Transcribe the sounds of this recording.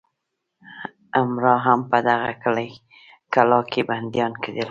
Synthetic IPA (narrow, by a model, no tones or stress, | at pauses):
amɾɑɦampəd̪aɣa̰kəlaj | kalɑkʰeband̪jɑnked̪el